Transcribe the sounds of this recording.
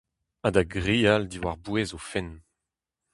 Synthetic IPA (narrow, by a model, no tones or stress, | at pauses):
ad̪aɡʁiːald̪iwaʁbwezofɛn